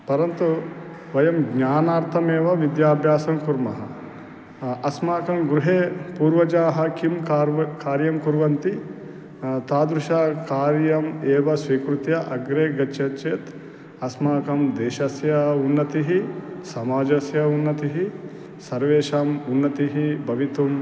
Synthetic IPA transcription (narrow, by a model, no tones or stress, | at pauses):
pɐɾɐnt̪u | ʋɐjɐmɡɲaːnaːɾt̪ʰɐmeːʋɐʋid̪jaːbʱjaːsɐmkuɾmɐɦɐ | ɐsmaːkɐmɡɾuɦeːpuːɾʋɐd͡ʒaːɦɐkimkːkaːɾjɐmkuɾʋɐnt̪i | t̪aːd̪ɾuʃaːkaːɾjɐmeːʋɐsʋiːkɾut̪jɐʔɐɡɾeːɡɐʃɐt͡ʃeːt̪ | ɐsmaːkɐmd̪eːʃɐsjɐunːɐt̪iɦisɐmaːd͡ʒɐsjɐunːɐt̪iɦi | sɐɾʋeːʃaːmunːɐt̪iɦibʱɐʋit̪um